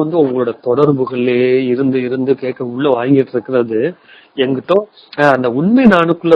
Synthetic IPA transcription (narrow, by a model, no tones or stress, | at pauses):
ɐnd̪ɯɔŋɡɐɭɯːɽɐt̪ɔɽɐɾbɯɣɐɭeːɪɾɯnd̪ɯɪɾɯnd̪ɯkeːʈkːɐʊɭːɐʋaːjŋɡɪʈːɪɾɯkːɪɾɐðɯ | ɛŋɡɪʈːõː | ɐnd̪ɐʊɳmɛɪnaːɳɯkːɯɭːɐ